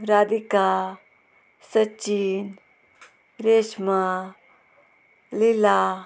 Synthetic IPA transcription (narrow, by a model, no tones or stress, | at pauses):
ɾad̪ika | sət͡ʃin | ɾesma | lila